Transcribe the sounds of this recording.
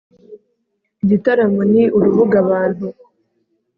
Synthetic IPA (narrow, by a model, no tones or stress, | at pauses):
iɟitaɾamoniʔuɾuβuɡaβaːnhu